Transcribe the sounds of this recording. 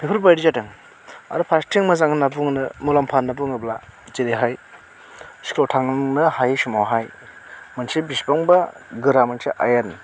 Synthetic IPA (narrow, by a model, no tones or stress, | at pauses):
pʰipʰɯɾbajdizatɯŋ | a̰ɾupʰastʰiŋmɐzaŋnabuŋnɯmulampʰanːabuŋɯblaziɾiɦaj | si̥kʰlotʰaŋŋnɯhajsumawɦaj | mɯnsibisbaŋbɐɡɯɾamansiʔa̰jan